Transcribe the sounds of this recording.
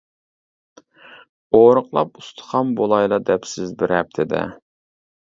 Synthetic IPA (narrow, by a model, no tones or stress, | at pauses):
oɾəqlˠɑpust̪ʰə̥χɑmbolˠɑjlˠɑd̪ɛpsɪzbɪɾhɛp̚t̪ʰɪd̪ɛ̰